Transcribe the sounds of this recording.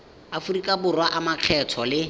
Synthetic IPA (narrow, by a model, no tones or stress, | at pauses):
afurikʼabʊrwaʔamaq͡χʰɛtʰɔlɪ